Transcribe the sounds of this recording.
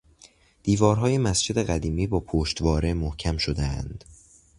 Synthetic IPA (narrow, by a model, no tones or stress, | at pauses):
d̪̥iːvɒːɾɦɒːje̞mæsd͡ʒe̞d̪e̞ɢæd̪iːmiːbɒːpʰoːʃt̪vɒːɾe̞mohcʰæmʃod̪eænd̪̥